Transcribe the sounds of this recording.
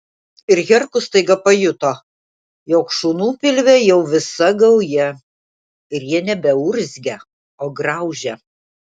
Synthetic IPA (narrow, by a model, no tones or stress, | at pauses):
ɪɾɣʲɛɾkʊst̪ɐɪɡɐpɐjʊt̪oː | joːkʃuːnuːpʲɪlʲʋʲɛjɛʊʋʲɪsɐɡɐʊjɛ | ɪɾjiɛnʲɛbʲɛʊɾʲzʲɡʲɛ | oːɡɾɐˑʊʒʲɛ